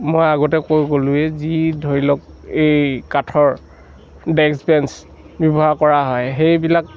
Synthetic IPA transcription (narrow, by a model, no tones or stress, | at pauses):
mojaɡɔtɛkojɡolʊɛzidʱoɹilɔk | ejkatʰɔɹ | dɛkspɛns | bjɔbɔɦakɔɹaɦɔjɦejbilak̚